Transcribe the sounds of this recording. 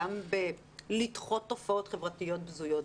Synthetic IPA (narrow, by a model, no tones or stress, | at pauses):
ambe | litχo̞tːofao̞tχevʁatijo̞t̚bzujot